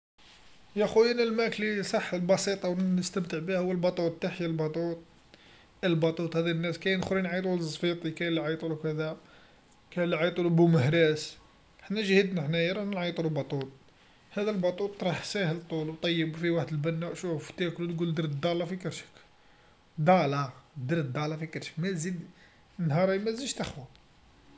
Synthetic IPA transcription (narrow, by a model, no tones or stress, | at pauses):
jæxujinəlmæklisˤɑħːəlbɑsit̪ˤɑwəst̪əmt̪əʕbihʊwːəlbɑt̪ˤut̪̚ˤːaħjælbɑt̪ˤut̪̚ˤ | əlbɑt̪ˤut̪ˤhæd̪inːæskæjnxɾinʕijt̪̬ˤulzˤfit̪ˤikæjlːiʕɑjt̪ˤulukæd̪æ | kæjlːiʕɑjt̪ˤulubuməhɾæs | ħnæʒhəd̪naħnæjɾˤɑnənʕɑjt̪ˤululbɑt̪ˤut̪̚ˤ | hæd̪ælbɑt̪ˤut̪ˤːɾˤɑħsæhəlt̪ˤulwt̪ˤɑjːəbufiwaħd̪əlbænːæʃuft̪æklut̪ɡuld̪əɾd̪ɑlɑfikəɾʃə̥k | d̪ɑlɑd̪əɾd̪ːɑlɑfikəɾʃə̥mæzid̪ | nhɑɾˤɑmæziʃt̪æxwæ